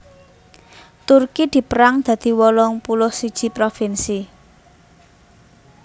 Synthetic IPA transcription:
t̪urkid̪̥i̤pəɾaŋd̪̥ä̤d̪̥i̤wɔlɔŋpulɔhsid̥ʒ̥i̤pɾofinsi

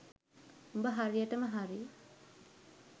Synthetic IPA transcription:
umbəɦaɾijəʈəməɦaɾi

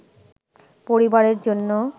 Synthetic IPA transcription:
poɾibaɾeɾd͡ʑonːo

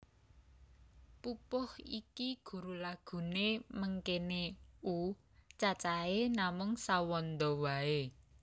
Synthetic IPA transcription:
pupʊhḭkiɡ̥ṳɾulaɡ̥ṳneməŋkeneu | t͡ʃat͡ʃaenamʊŋsawɔnd̪ɔwae

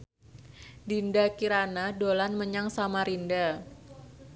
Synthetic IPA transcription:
dindakiɾanadolanməɲaŋsamaɾinda

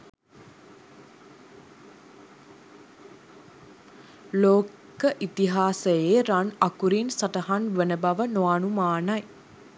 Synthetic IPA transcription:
loː | kəʔit̪iɦaːsəjeːɾanakuɾinsaʈəɦanʋenəbaʋənoaːnumaːnɐj

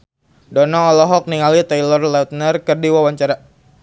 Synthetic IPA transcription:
dɔnɔŋɔlɔɦɔk̚niŋalit̪ajlɔrlat̪nərkərdiwawaɲt͡ʃaɾa

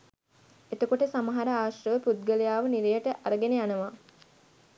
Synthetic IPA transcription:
et̪əkoʈəsaməɦaɾəaːʃrəʋəpud̪̚ɡələjaːʋəniɾejəʈəʔaɾəɡenejanəʋa

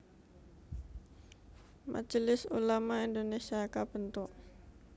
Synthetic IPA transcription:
mʔa̰d͡ʒlɪsṵlamaindonesiakabənt̪ʊʔ

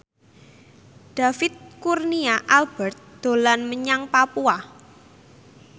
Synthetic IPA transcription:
d̥a̤fɪt̪̚kurniaʔalb̥ɛrt̪̚d̪̥o̤lanməɲaŋpapua

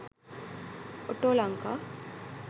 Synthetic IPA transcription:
oʈolaŋka

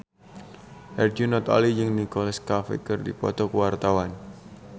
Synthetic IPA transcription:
hɛrd͡ʒunɔt̪ɔ̰lijɨŋnikɔlaskafḛkərdḭpɔ̰t̪ɔkəwart̪awan

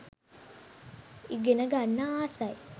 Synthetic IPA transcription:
iɡenəɡanːaaːsaj

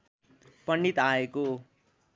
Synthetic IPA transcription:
pʌnːit̪aeko

